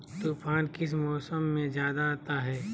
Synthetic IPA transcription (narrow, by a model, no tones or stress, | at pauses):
t̪uːpʰaːnkɪs̬mɔːsəmːẽd͡ʒjaːd̪aːt̪aɦɛː